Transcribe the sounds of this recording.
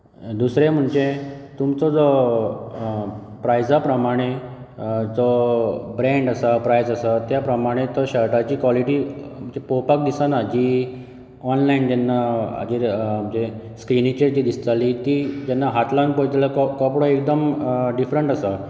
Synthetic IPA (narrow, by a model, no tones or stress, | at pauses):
d̪usɾem̤əɳd͡ʑet̪umt͡sɔd͡zɔ | pɾajd͡zapɾəmaɽ̃e | d͡zɔbɾẽɳɖasapɾajd͡zasat̪japɾəmaɽ̃et̪əɕəɭʈat͡ɕiːkʋaliʈiːm̤əɳd͡ʑepowpak̚d̪isanad͡ʑi | ɔnlaind͡ʑɛnːa̰d͡ʑem̤əɳd͡ʑeskɾinit͡ɕed͡ʑiːd̪ist̪alit̪iːd͡ʑɛnːaɦat̪lanpojt̪ləkɔkɔpɽɔek̚d̪əmɖifɾəɳʈəsa